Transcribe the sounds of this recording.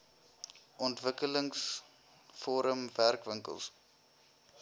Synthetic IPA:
ʔɔntvəkələŋs | fɔɾəmværkvəŋkə̰lˠs

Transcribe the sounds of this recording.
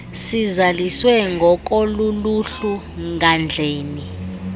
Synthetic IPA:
sizaliswɛŋɡʱɔk̬ʼoluluɬu | ŋɡʱand͡ɮʱeːni

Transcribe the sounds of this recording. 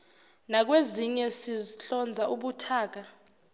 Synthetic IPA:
nak̬weziɲɛsiɬɔnd͡zʱaʔuɓutʰaːk̬a

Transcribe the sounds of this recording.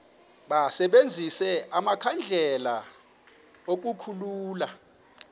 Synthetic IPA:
ɓasɛɓend͡zʱisɛʔamakʰand͡ɮʱɛla | ok̬ʼukʰuluːla

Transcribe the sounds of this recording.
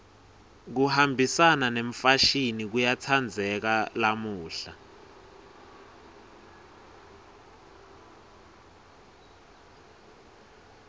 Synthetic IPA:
k̬uhambʱisananeɱfaʃinik̬ujat͡sʰand͡zʱɛk̬alamuːɬa

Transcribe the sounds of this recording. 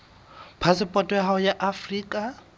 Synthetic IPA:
pʰasɪpʼɔtʼɔhaʊjaʔafriːkʼa

